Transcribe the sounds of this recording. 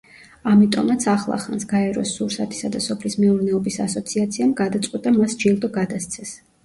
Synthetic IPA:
amit̪ʼɔmat̪sʰaχlˠa̰χa̰nsɡ̥aɛɾɔsːuɾsat̪ʰi̥sad̪asɔpʰlismɛuɾnɛɔbisasɔt̪sʰiat̪sʰiamɡad̪at̪sʼqʼwit̪ʼamasd͡ʒilˠd̪ɔɡad̪ast̪sʰɛs

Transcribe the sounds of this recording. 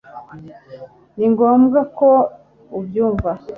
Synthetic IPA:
niŋɡoːmɡako | ubjuːɱva

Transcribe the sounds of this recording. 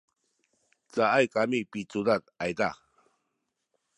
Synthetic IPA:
t͡saajkamipit͡sudat̪̚ajda

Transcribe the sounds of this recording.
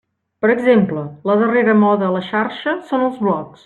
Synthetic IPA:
pəɾəɡzemplələðəreɾəmɔðəːləʃaɾʃəsonəlˠzβlɔks

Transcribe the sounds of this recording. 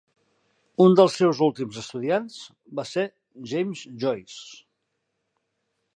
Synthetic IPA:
und̪əlˠsːewzulˠt̪imzəst̪uðianz̥ | base | ʒejmzʒɔjs

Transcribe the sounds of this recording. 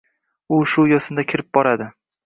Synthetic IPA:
ʊʃʊjɒsɪnd̪akʲʰɪɾɪp̚bɒɾad̪ɪ

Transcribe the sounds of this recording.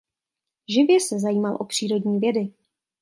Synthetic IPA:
ʒɪvjɛsɛzajiːmalʔo̞pr̝̥iːɾo̞dɲiːvjɛdɪ

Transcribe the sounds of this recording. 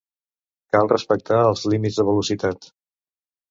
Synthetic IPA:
kalˠrəspək̚t̪aəlˠzlimidzðəβəlusit̪at̪

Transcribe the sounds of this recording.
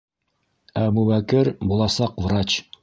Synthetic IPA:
æmubækɘɾbulˠɑsɑqvrat͡ɕ

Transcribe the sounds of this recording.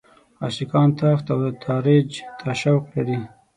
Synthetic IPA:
ɑsikɑːnt̪ʰɑːft̪awd̪ət̪ʰɑːɾed͡ʒt̪ʰaʃawqlaɾi

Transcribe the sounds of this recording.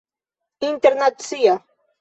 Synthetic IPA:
int̪eɾnat̪sija

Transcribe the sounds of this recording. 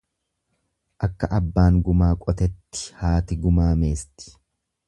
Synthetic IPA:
ʔɐkːɐʔɐbːaːŋɡʊmaːkʼɔt̪ɛt̪ːɪ̥haːt̪ɪɡʊmaːme̞ːst̪ɪ̥

